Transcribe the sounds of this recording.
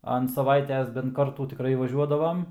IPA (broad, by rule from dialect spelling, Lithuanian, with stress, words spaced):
ɐnt sɐˈʋɐɪtʲɛs bʲɛnt ˈkɐrtuː tʲɪˈkrɐɪ ʋɐˈʒʲuɔdɐʋɐm